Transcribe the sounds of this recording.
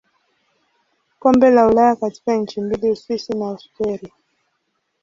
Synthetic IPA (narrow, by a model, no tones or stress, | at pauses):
kɔmbɛlaulajakati̥kaɲ̩t͡ʃimbiliuswisinaustɛɾi